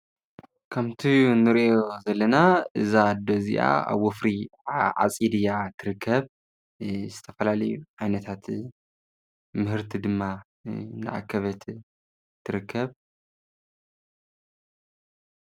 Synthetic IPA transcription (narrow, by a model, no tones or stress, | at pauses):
kʰɐmt̪ʰinɨɾʔozɐlːɐnaʔɨzad̪ozḭʔa̰a̰βwɔfɾiʕa̰t͡sʼid̪ijat̪ʰɨɾɨkʰːɐβ | zɨt̪ʰɐfɐlalɐjuʕajnɐt̪ʰat̪ | mɨhɨɾt̪ʰid̪ɨmːa | nɨ̰ʕa̰kʰːɐβɐt̪ʰ | t̪ʰːɨɾɨkːɐβ